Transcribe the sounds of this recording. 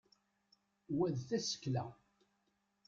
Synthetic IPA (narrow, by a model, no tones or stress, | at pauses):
wæðθæsə̥kːlæ